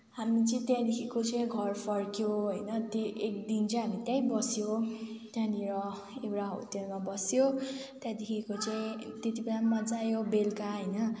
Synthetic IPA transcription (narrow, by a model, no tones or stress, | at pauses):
ɦamit͡sʌĩt̪jãd̪ekʰikot͡sʌ̃ĩɡʱʌrpʰʌrkjoɦʌjnʌt̪oʔek̚d̪int͡sʌ̃ɦamit̪jãjbʌsjot̪jãniɾʌ | ekɾaɦo̰t̪jemabʌsjot̪jãd̪ekʰikot͡saĩt̪jet̪ibelamʌd͡zajobelkaɦʌjnʌ